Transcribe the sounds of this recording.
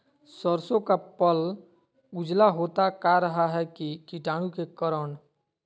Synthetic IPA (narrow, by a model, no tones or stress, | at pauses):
səɾsõkapəl | ʊd͡ʒlaɦoːt̪akaɾəɦaɦɛkikiʈaːɽ̃ũkekəɾəɳ